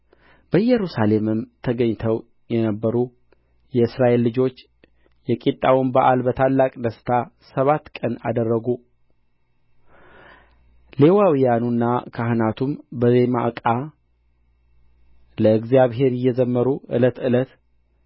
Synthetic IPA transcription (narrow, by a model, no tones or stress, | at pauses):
b̥əjɛɾusale̞mɨmt̪ʰəɡəɲːt̪ʰəw | jɛnəbːəɾu | jɛɨsɾaʔe̞lːɨd͡ʒo̞t͡ʃː | jɛkʼit̪ʼːawimbaʔalbət̪ʰalːakʼd̪əst̪ʰa | səβat̪ːkʼəna̰d̪ərːəɡu | le̞wawijanunːakʰaɦɨnat̪ʰumbəzema̰ʔkʼa | ləɨɡzijaβɦe̞ɾɪjːɛzəmːəɾuʔɨ̰lət̪ɨlət̪